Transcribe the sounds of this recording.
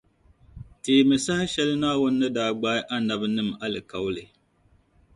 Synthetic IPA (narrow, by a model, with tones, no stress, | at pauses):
teː˨mɨ˨sa˦hɪ˦ʃɛ˦lɨ˦naː˦wʊ˦nː˦ɨ˦daː˦ɡ͡baː˦ɪ˦ʔa˦na˨bɨ˦nɨ˦ma˦lɨ˨ka˨wlɨ˨